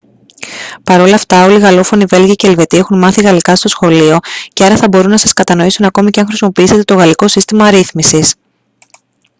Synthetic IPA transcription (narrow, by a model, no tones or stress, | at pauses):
pɐɾo̞lɐːft̪ɐo̞liɣɐlo̞fo̞nive̞lʝɐceelve̞t̪ie̞xunmɐθiɣɐlikɐst̪o̞sxo̞lio̞ce̞ɐɾɐθɐbo̞ɾunːɐsɐskɐt̪ɐno̞isunɐko̞miceɐŋxɾisimo̞piise̞t̪e̞t̪o̞ɣɐliko̞sist̪imɐɾiθmisis